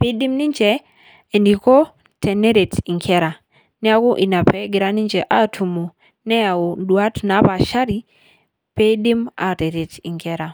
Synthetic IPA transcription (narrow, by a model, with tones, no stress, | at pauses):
pe˦di˦mni˦ɲt͡ʃɛ˨ | e˨ndi˨kɔ˦ | tʰɛ˨ne˦ɾe˨ti˨ŋkʰɛ˦ɾa˨ | nɛ˦a˦ku˦ʔi˨na˨pɛ˦ɡɪ˨ɾa˦ni˦ɲt͡ʃɛ˨ʔa˦˨tʰu˨mo˨ | nɛ˦a˨o˨dwa˦tna˨˦pa˨ʃa˦ɾi˦ | pe˦di˦ma̰˨te˨ɾe˨ti˨ŋkɛ˦ɾa˨